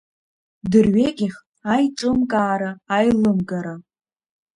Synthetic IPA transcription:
dɨrɥeɡʲiχ | ajʈ͡ʂʼɨmkʼaːɾaːjlɨmɡaɾa

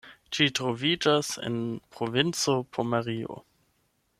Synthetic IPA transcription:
t͡ʃitɾo̞vid͡ʒasḛnpɾovint͡sopʰomaʁio̰

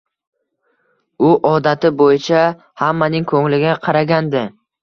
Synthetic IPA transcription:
ʊʔɒd̪at̪ɪbojɪt͡ʃʰa | hamːanɪŋkʰɵŋlɪɡʲaqʰɑɾaɡʲand̪ɪ

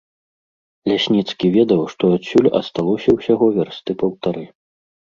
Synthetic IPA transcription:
lʲasʲnʲit̪skʲivʲɛd̪ɐwʂt̪ɔasʲulʲɐ̰st̪alˠɔsʲɐwsʲaɣɔvʲɛrst̪ɨpɐwt̪aɾɨ

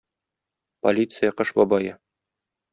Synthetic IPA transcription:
po̰lʲit̪sɨjaqɤʃbɒbɑjɤ

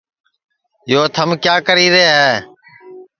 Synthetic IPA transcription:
joːt̪ʰəmkjaːkəɾiːɾəaːɦː

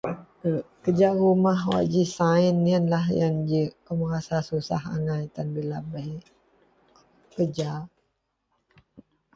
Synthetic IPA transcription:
kəd͡ʒaʔrumahwa̰d͡ʒisaɪnːiənlahjaŋd͡ʒəʔkəmaɾasasusa̰ɦa̰ŋajt̪anbilaba | kəd͡ʒa

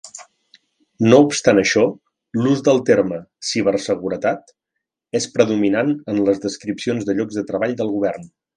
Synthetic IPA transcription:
noupst̪anəʃɔ | luzd̪əlˠt̪erməsiβ̞ərsəɣuɾət̪at̪ | espɾəðuminanənləzðəskɾipsionzðəʎɔɡzðət̪ɾəβaʎd̪əlˠɣuβ̞ɛrn

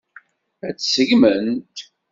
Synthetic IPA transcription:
æt͡sːsəʝmənt̪

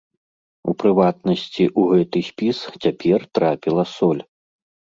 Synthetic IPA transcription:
upɾɨvat̪nɐsʲt͡sʲiʔuɣɛt̪ɨsʲpʲist͡sʲapʲɛrt̪ɾapʲilˠɐsɔlʲ

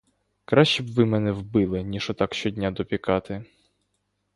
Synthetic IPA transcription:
kɾɑʃʲt͡ʃibʋɪmɛnɛwbɪlˠɪnʲiʃɔt̪ɑkʃt͡ʃɔdʲnʲad̪ɔpʲikɑt̪ɪ

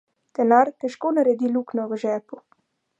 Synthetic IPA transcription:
t̪ɛnaɾk̪ɛʃkɔnəɾɛd̪iluknɔvəʒɛpu

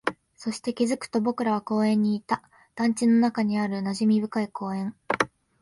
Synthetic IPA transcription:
so̞ɕi̥t̪e̞kʲizɨkɯ̟̥t̪o̞bo̞kɯ̟ɾaβ̞ako̞ːẽ̞ɲ̟ːiːt̪a | d̪̥ãɲ̟t͡ɕino̞nakaɲ̟iaɾɯ̟naʑimʲibɯ̟kaiko̞ːẽ̞ŋ

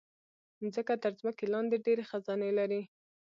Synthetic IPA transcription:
zəkat̪əɾzməkelɑnd̪eɖeɾexazɑnelaɾi

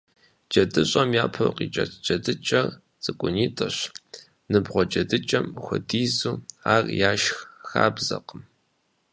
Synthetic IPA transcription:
d͡ʒɐdɨɕʼɐmjaːpʰɐ̰wqḭːt͡ʃʼɐ̰tʰd͡ʒɐdɨt͡ʃʼɐr | t͡sʼɨkʷʼʊniːtʼɐɕ | nɨbʁʷɔd͡ʒʼɐdɨt͡ʃʼɐmxʷʊdiːzuːaːrjaːʃxxa̰ːbzɐqəm

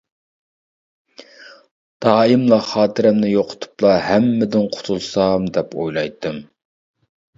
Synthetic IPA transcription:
d̪̥ɑːimlˠɑχɑːt̪ʰɨɾɛmnɪjoqʰʊ̥t̪ʰu̥plˠɑɦɛmːɪd̪ɪnqʰʊ̥t̪ʰulˠsɑmd̪ɛpojlˠɑjt̪ʰːɨm

